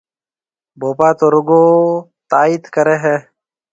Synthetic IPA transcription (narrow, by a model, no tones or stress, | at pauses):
boːpaːt̪oːɾʊɡoː | t̪aːiːt̪kəɾeːɦɛː